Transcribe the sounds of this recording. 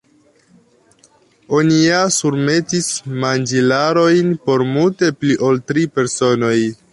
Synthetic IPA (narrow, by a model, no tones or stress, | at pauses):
o̞nijasuɾme̞tismand͡ʒilaɾo̞jnpo̞ɾmulte̞pliʔo̞ltɾipe̞ɾso̞no̞j